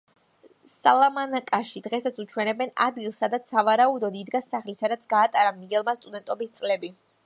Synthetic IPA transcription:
salˠamanakʼaʃid̪ʁɛsat̪sut͡ʃʰwɛnɛbɛna̰d̪ɡilˠsad̪at̪ssavaɾaud̪ɔd̪id̪ɡasaχlisad̪at̪sʰɡaːt̪ʼaɾamiɡɛlˠmast̪ʼud̪ɛnt̪ʼɔbist̪sʼlɛbi

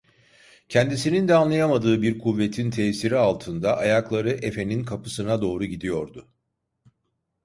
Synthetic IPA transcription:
cʰɛnd̪isinind̪ɛanlˠajamad̪ɯːbiɾkʰuvːe̞t̪ʰint̪ʰɛːsiɾialˠt̪ʰɯnd̪aʔajaklˠaɾɯʔe̞fe̞ninkʰapɯsɯnad̪o̞ːɾuɟid̪ijo̞ɾd̪ʊ

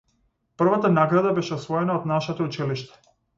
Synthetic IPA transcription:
pr̩vat̪anaɡɾad̪abɛʃɛɔsvɔɛnaɔd̪naʃɛt̪ɔut͡ʃiliʃt̪ɛ̥

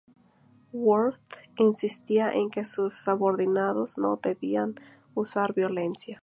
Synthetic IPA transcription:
woɾt̪insist̪iaʔeŋkesusːoβoɾðinaðosno̰ðeβian | usaɾbjolensja

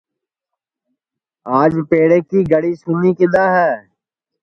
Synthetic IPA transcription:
aːd͡ʒpeːɽeːkiːɡəɽiːsʊnikɪd̪aːɦɛː

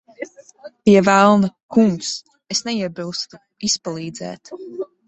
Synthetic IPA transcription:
piɛvælˠnɨkuŋks | esnɛiɛbilˠst̪u | ispalˠiːd̪zɛ̰ːt̪

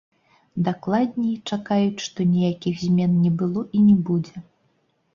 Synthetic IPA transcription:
d̪aklˠad̪ʲnʲɛt͡ʂakajut͡sʲʂt̪ɔnʲijakʲixzʲmʲɛnnʲɛbɨlˠɔʔinʲɛbud͡zʲɛ

